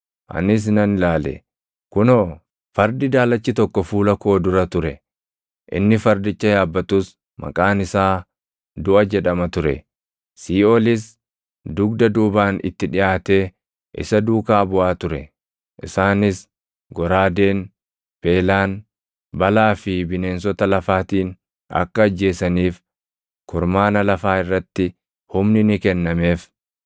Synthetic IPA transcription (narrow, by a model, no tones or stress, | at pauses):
ʔɐ̰nɪs̬nɐnɪlaːlɛ̰ | kʊnoː | fɐɾd̪ɪd̪aːlɐt͡ʃːɪt̪ɔkːɔfuːlɐko̞ːd̪ʊɾɐt̪ʊɾɛ | ʔɪ̰nːɪfɐɾd̪ɪt͡ʃːɐjaːbːɐt̪ːuːs | mɐ̰kʼaːnɪsaː | d̪ʊʔɐd͡ʒɛᶑɐmɐt̪ʊɾɛ̰ | siːoːlɪs | d̪ʊɡ̚d̪ɐd̪uːbaːnɪ̰t̪ːɪᶑɪjaːt̪eː | ʔɪ̰sɐd̪uːkaːbʊaːt̪ʊɾɛ̰ | ʔɪsaːnɪs | ɡɔɾaːd̪e̞ːn | peːlaːn | bɐlaːfɪbɪne̞ːnsɔt̪ɐlɐfaːt̪iːn | ɐ̰kːɐːd͡ʒːe̞ːsɐniːf | kʊɾmaːnɐlɐfaːɪrːɐt̪ːɪ | hʊmnɪnɪkɛnːɐme̞ːf